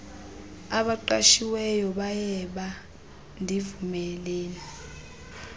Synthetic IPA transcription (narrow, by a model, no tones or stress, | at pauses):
aɓaǃaʃiwɛjɔɓajɛɓa | ndʱivumɛlɛːni